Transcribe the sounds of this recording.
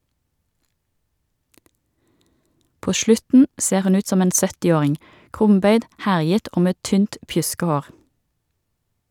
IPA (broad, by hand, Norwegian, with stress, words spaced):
ˈpoː ˈʃlʉtn̩ ˈseːʁ ˈhʉn ˈʉːt ˈsɔm ˈeːn ˈsœtɪˌoːʁɪŋ ˈkʁʊmˌbœʏd ˈhæʁjət ˈoː ˈmeː ˈtyːnt ˈpjʉskɛˌhoːʁ